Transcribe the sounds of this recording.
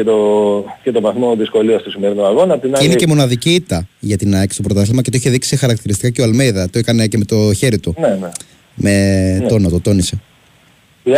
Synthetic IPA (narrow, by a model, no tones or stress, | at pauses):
et̪ocet̪o̞vɐθmo̞ðisko̞liost̪osimeɾinuɐɣo̞nɐpt̪ininece̞mo̞nɐðiciit̪ɐʝɐt̪inɐecst̪opɾot̪ɐθlimɐkce̞t̪oiçeðiksixɐɾɐk̚t̪iɾist̪ikaceoɐlmejðɐt̪oekɐne̞ce̞me̞t̪o̞çe̞ɾit̪unene | me̞o̞not̪ot̪o̞nise